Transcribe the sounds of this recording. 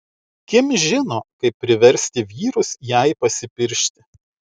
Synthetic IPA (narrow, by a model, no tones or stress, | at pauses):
kʲɪmʒʲɪnoːkɐɪpʲːɾʲɪʋʲɛɾʲsʲt̪ʲɪʋʲiːɾʊsjæɪpɐsʲɪpʲɪɾʲʃʲt̪ʲɪ